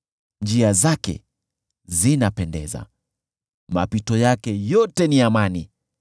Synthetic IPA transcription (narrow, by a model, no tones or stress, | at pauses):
nd͡ʒiazakɛ̰ | zinapɛndɛ̰za̰ | ma̰pitɔjakɛjɔtɛniamani